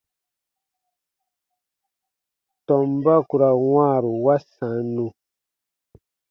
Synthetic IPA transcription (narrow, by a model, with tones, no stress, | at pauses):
tɔ˨mba˦ku˨ɾa˨wãː˦˨ɾu˨wa˦sã˨˦nũ˨